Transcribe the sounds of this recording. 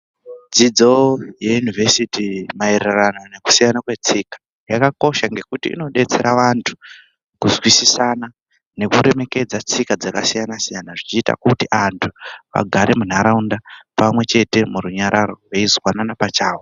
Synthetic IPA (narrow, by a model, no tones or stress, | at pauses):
d͡zid͡zo̞jejunivʱesitimaereranone̞ku̥sijanakwe̞t͡sikḁ | jakako̞ʃaŋɡe̞kutḭḭno̞ɗe̞t͡se̞ɾaʋantʰu̥ | kuzwisisana | ne̞kuɾe̞me̞ke̞d͡zat͡sikad͡zakasijanasijanaʐit͡ʃiːta̰kutiʔantʰu̥ʋa̰ɡʱaɾemun̤aɾaundapamwe̞t͡ʃe̞te̞muɾuɲaɾaɾo̞ʋeizwananapat͡ʃaːw